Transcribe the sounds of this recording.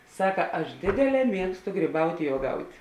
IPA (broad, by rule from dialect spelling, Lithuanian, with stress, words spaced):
ˈsɑːkɐ ˈɐʃ ˈdʲeːdʲeːˌlʲɛː ˈmʲiɛkstʊ ˈɡrʲiːbɐʊtʲ ɪ uɔˈɡɐʊtʲ